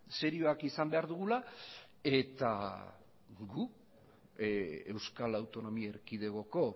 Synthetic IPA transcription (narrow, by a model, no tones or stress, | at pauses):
se̞ɾioakisambe̞aɾðuɣula | e̞t̪a̰ | ɡu | ewskalawt̪o̞no̞miaeɾkið̞e̞ɣo̞ko̞